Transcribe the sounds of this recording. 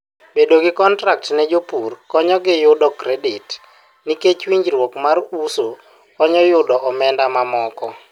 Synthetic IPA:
bedoɡɪkɔntɾak̚tnɛd͡ʒopurkɔɲɔɡɪjʊdɔkɾɛdɪt | niket͡ʃwiɲd͡ʒɾwɔkmaruso | ɔɲɔjʊdɔʔɔmɛndamamɔkɔ

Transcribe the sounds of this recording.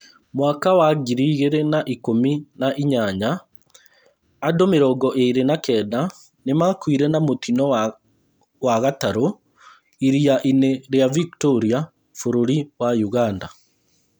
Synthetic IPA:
mwakawaɡiɾiɣeɾenaʔikominaʔiɲaɲa | domeɾɔɡɔʔeiɾenakɛːda | nemaːkwiɾɛnamot̪inɔ | waɣataɾo | iɾiaʔineɾeaviktoɾia | foɾoɾiwajuɣanda

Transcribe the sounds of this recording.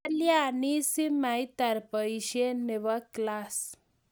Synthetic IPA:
ljaanisimajt̪aɾpəjɕeneʋaklas

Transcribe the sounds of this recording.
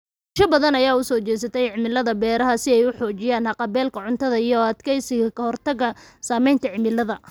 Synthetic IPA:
ʃɐbɐðɐnɐjaːʊsɔːt͡ʃɛjs̬ɐt̪ʰɛjʕɪmɪlːɐðɐbɛːɾɐɦɐsɪɛjʊħɔːt͡ʃɪjaːnhɑqɑbɛːlkʰɐʕʊnt̪ʰɐðɐijɔɐd̪kʰɛjsɪɣɐkʰɐhɔrt̪ɐɣɐsaːmɛjnt̪ʰɐʕɪmɪlːɐðɐ

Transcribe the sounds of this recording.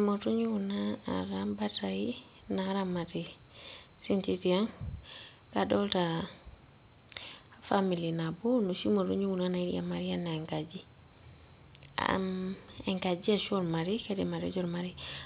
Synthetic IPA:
motuɲuwunaa̰ɾambataji | naɾamati | sint͡ʃitiaŋ | kadolta | familinabunusimotuɲuwunanaiɾḭa̰maɾianaeŋkad͡ʒi | a̰ | eŋkad͡ʒiaʃoɾmaɾikedimaɾḭd͡ʒoɾmaɾi

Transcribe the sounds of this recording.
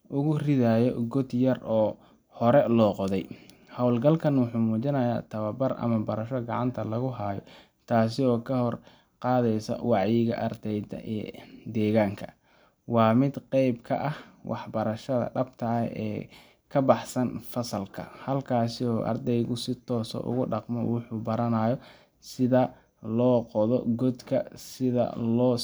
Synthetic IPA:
ʔʊɣʊrɪðaːjɔ̰ɡɔd̪jɐrɔː | hɔɾɛlɔːqɔðɛj | hɔwlɡɐlkʰɐnwʊħuːmuːt͡ʃɪnɐja̰ːt̪ʰɐβɐbɐrʔɐ̰mɐbɐɾɐʃɔɡɑʕɑnt̪ʰɐlɐɣʊɦaːjɔ̰ | t̪ʰaːs̬ɪɔːkʰɐhɔr | qɑːðɛjsɔ̰wɑʕjɪɣɐ̰ʔɐrd̪ɛjdɛd̪ɛːɣaːŋkʰɐ | wɑːmɪd̪qɛjbkʰɐ̰ʔɐhwʔɑħbɐɾɐʃɐðɐ̰ɖɐbt̪ʰɐɛ̰ː | kʰɐbɑħsɐnfɐsɐlkʰɐ̰hɐlkʰaːsɪɔːʔɐ̰rd̪ɛjɣʊsɪt̪ʰɔːsɔ̰ʔʊ̰ɣʊɖɑqmɔwʊħuːbɐɾɐnaːjɔ | sɪðɐ | lɔːqɔðɔɡɔd̪kʰɐsɪðɐ̰lɔː

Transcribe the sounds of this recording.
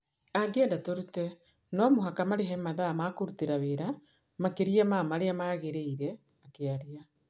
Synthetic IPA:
aɡeːndatoɾutɛ | nɔmoɦakamaɾeɦɛmaðamakoɾuteɾaβeɾa | makeɾiamamaɾeamaːɣeɾeiɾɛ | akeaɾia

